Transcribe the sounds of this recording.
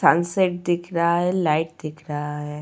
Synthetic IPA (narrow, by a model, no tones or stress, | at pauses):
sanseʈ̚d̪ɪkʰɾaɦaɦɛlaːɪʈ̚d̪ɪkʰɾaɦaɦɛ